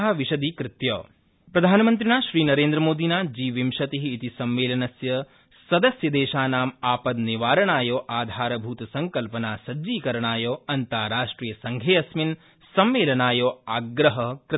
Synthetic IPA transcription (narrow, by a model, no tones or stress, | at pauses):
ɦɐʋiʃɐd̪iːkɾɪt̪jo̰ː | pɾɐd̪ʱaːnɐmɐnt̪̬ɾinaːʃɾiːnɐɾẽːnd̪ɾɐmoːd̪ʱinaːd͡ʒiːʋimʃɐt̪iɦiːt̪isɐmʋeːlɐnɐsjɐ | sɐd̪ɐsjɐd̪eːʃaːnaːmaːpɐd̪niʋaːɾɐɳaːjoːʔaːd̪ʱaːɾɐbʱuːt̪ɐsɐŋkɐlpɐnaːsɐd͡ʒiːkɐɾɐɳaːjoːɐnt̪aːɾaːʂʈɾiːjɐsɐŋɡʱeːɐsmin | sɐmːeːlɐnaːjoːaːɡɾɐɦɐkɾ